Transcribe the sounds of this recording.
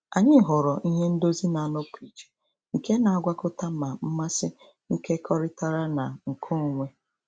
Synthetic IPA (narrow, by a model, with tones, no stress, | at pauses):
a˨ɲɪ˦ɦʊ˨ɾɔ˨ʔi˦ɦe˦n̩˦do˦zi˦na˨a˨nʊ˦pi˨t͡ʃ | ŋ̩˨ke˦na˨a˦ɡʷa˦kʊ˦ta˦ma˨m̩˦ma˦sɪ˦ | ŋ̩˦ke˦kʰɔ˦ɾɪ˦ta˦ɾa˦na˨ŋ̩˨kʰʊ˦˨ŋʷe˦